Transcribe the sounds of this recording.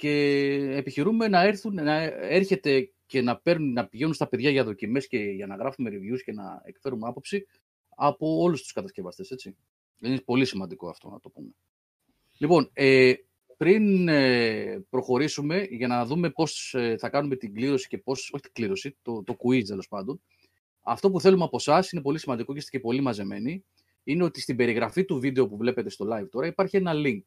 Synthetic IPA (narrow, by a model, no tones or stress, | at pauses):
ce̞ːpiçiɾume̞nɐe̞ɾθunnɐe̞ɾçe̞t̪e̞ | ce̞nɐpe̞ɾnunnɐpiʝe̞nunst̪ɐpe̞ðʝɐʝɐðo̞cime̞sce̞ʝɐnɐɣɾɐfume̞ɾivʝusce̞nɐ̰e̞̰kfe̞ɾunɐpo̞psi | ɐpo̞o̞lust̪u̥skɐt̪ɐsce̞vɐst̪e̞se̞t͡si | ðeninpo̞lisimɐnd̪iko̞ɐ̰ft̪o̞̰nɐ̰t̪o̞pume̞ | lipo̞ne | pɾinepɾo̞xo̞ɾisume̞ʝɐnɐðume̞po̞seθɐkɐnume̞t̪iɡliɾo̞si̥ce̞po̞so̞çi̥t̪i̥ɡliɾo̞sit̪ot̪o̞kuist̪e̞lo̞spɐnd̪o̞n | ɐ̰ft̪o̞puθelumɐpo̞sɐsine̞po̞lisimɐnd̪ikocist̪ecepo̞limɐze̞me̞ni | ine̞o̞t̪ist̪ibe̞ɾiɣɾɐfit̪uvid̪e̞o̞puvle̞pe̞t̪e̞st̪o̞lɐjvt̪o̞ɾɐipɐɾçie̞nɐliŋk